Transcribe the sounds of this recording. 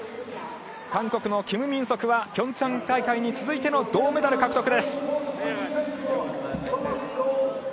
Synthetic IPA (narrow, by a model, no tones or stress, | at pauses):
kãŋko̞kɯ̟no̞kʲimɯ̟mʲĩɰ̃so̞kɯ̟βakʲõ̞ɲ̟t͡ɕãŋk̪aikaiɲ̟it͡sɨzɨit̪e̞no̞d̪o̞ːmed̪aɾɯ̟kakɯ̟t̪okɯ̟d̪e̞sɨ̥